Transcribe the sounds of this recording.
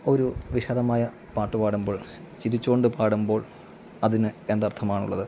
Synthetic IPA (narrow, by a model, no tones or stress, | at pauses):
o̞ɾuʋiɕɐðɐmaːjɐ | paːʈːupaːɽumbo̞ːɭ | t͡ɕiɾit͡ɕːukoɳɖɨpaːɽumbo̞ːɭ | ɐðinɨe̞nd̪ɐrt̪ʰɐmaːɳṵɭːɐðɨ